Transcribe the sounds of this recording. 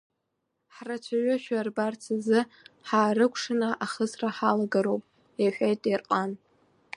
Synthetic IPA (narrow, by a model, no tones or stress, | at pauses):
ħrat͡ʃʷʰaɥʷʊʃᶣarbart͡sʰazɨ | ħaːɾɨkʷʰʂɨnaʔaχəsraħalaɡaɾowpʼ | eħʷᶣajtʼerqʼan